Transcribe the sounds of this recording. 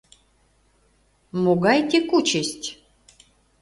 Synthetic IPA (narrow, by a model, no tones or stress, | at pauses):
moɡɑjt̪ʲekut͡ɕəsʲtʲ